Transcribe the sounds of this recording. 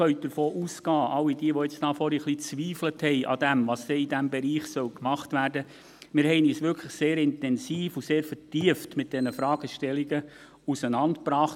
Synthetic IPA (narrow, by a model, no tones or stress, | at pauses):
œɥt̚d̥əɾfoːʔusɡ̥ɑːʔɑlːid̥iəʋɔɛt͡stɑːfɔɾiχlit͡sʋiːfləthɛɪʔɑ̰d̥æmʋɑːsd̥ɛːidæmbɛɾiːχsœwkmɑχtʋæːɾdə | mɪːɾhɛɪniːsʋʏɾkʰləχseːɾɪntɛnsiːfuseːɾfətiəftmɪt̚d̥ɛnəfɾɑːɡ̥əʃtɛliɡə | usənɑntpɾɑːχt